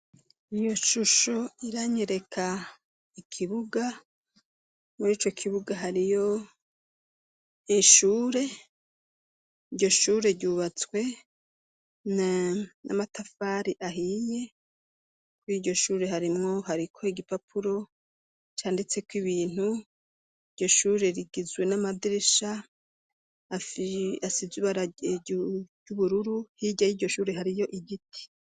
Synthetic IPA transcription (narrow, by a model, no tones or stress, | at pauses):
ijo̞ʃuʃoiɾaɲeɾe̞kʰa | ikʰiβuɡa | muɾiːt͡ʃo̞kʰiβuɡaɦaɾijo̞ | iʃuːɾe̞ | iɾɟo̞ʃuːɾe̞ɾɟuːβat͡skwe̞ | nna̰matafaːɾiʔaɦiɲe̞ | kwiɟo̞ʃuːɾe̞ɦaɾimŋo̞ɦaɾikʰo̞iɡipapʰuɾo̞ | t͡ʃaːndit͡se̞kwiβiːn̥hu | iɾɟo̞ʃuːɾe̞ɾiɡizwe̞namadiɾiʃa | iasizuβaɾa | ɟ̥uβuɾuɾuhiɟajiɟo̞ʃuːɾe̞ɦaɾijo̞ʔiɟitʰi̥